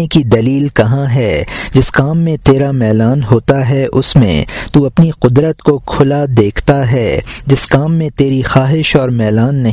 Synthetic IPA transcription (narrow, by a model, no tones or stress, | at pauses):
ekid̪ɐliːlkɐɦãɦɛːd͡ʒɪskaːmːẽt̪eːɾamɛːlaːnɦoːt̪aɦɛʔʊsmḛ̃t̪uːɐpniqʊd̪ɾət̪kokʰʊlad̪eːkʰt̪aɦɛːd͡ʒɪskaːmːẽt̪eːɾixaːɦɪʃɔːɾmɛːlaːnːɐɦ